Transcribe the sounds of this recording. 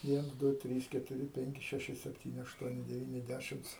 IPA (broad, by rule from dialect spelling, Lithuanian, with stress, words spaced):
ˈʋʲiɛns ˈdʊ ˈtʲrʲiːs kʲɛtʊˈrʲɪ ˈpʲɛŋʲkʲɪ ˈʃʲæːʃʲɪ ˈsʲæːpʲtʲiːnʲɪ ˈɑːʃtuɔnʲɪ dʲɛˈʋʲiːnʲɪ ˈdʲæʃʲɪms